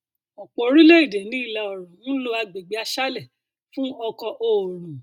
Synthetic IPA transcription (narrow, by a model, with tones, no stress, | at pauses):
ɔ˨k͡po˨˦ɾi˦le˦i˦˨de˨nĩ˨˦i˦˨la˧ɔ˨ɾɔ̃˨ũ˦lo˧a˧ɡ͡be˨ɡ͡be˨˦a˧ʃa˦lɛ˦˨ | fũ˦ɔ˧kɔ˧ʔo˨ɾ̃ũ˨